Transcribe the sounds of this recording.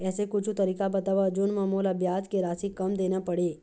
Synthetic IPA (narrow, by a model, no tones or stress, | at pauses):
ɛsekut͡ʃʰut̪əɾikabət̪aʋad͡ʒunmãmolabjad͡ʒkeɾasikːəmd̪enapəɽe